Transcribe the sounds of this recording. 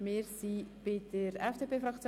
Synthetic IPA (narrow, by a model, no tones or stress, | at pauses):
meːɾsipeːt̪əɾɛfd̥̪eːpʰefɾɑkt͡sj